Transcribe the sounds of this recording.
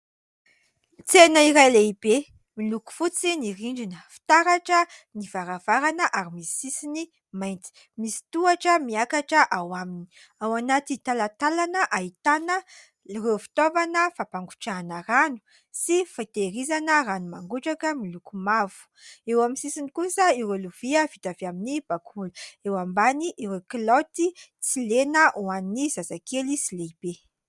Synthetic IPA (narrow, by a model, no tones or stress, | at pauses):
t͡senəiɾajleibe | miluku̥fut͡siniɾiɳɖ͡ʐinəfi̥t̪aɾaʈ͡ʂənivaɾav̥aɾanəʔaɾimii̥sisini | majnt͡si̥ | misi̥t̪uaʈ͡ʂəmiakaʈ͡ʂəʔawamini̥ | awanat̪it̪alat̪alanəʔaɦit̪anə | refi̥t̪ovanəfapaŋɡuʈ͡ʂaːnəranu̥ | sifat̪eɾizanəranumaŋɡuʈ͡ʂakəmilukumavu̥ewamisisinikusəiɾeluv̥iəvit̪aveaminib̥akʰulu̥ewambaniʔiɾeklot̪it͡silenəʔuannːizazakelisileib̥e